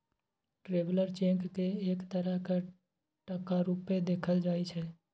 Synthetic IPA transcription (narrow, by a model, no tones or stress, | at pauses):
ʈɾeːbləɾt͡ʃẽkkeeːkt̪əɾəɦka | ʈəkaɾuːped̪eːkʰəld͡ʒaːit͡ʃʰɛː